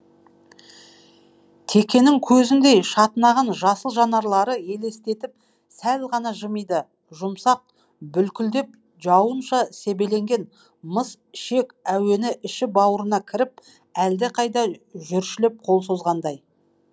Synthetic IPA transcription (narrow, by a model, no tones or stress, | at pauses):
t̪ʰe̞kʲe̞nɪŋkʲʰɵzɪnd̪e̞jʃɑt̪ənɑʁɑnʒɑsəlˠʒɑnɑɾlˠɑɾəje̞le̞st̪e̞t̪ɪp̚ | sælʁɑnɑʒəməjd̪ə | ʒʊmsɑq̚ | bʏlkʲʏld̪e̞p̚ | ʒɑwənʃɑse̞be̞le̞ŋɡʲe̞n | məs | ʃe̞kʲæwe̞nɪʔɪʃɪbɑwəɾənɑkʲʰɪɾɪp̚ | æld̪ɪqʰɑjd̪ɑʒʏɾʃɪlɪp̚qʰo̞lˠso̞zʁɑnd̪ɑj